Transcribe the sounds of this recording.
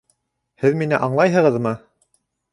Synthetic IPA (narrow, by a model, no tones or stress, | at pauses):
hɘðminɘʔɑɴlˠɑjɦɤ̆ʁɤðmɤ